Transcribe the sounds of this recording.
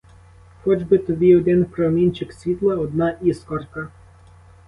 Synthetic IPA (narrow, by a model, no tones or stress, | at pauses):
xɔd͡ʒbɪt̪ɔbʲiɔd̪ɪnpɾɔmʲinʲt͡ʃɪksʲʋʲit̪lˠɛɔd̪naʔiskɔrka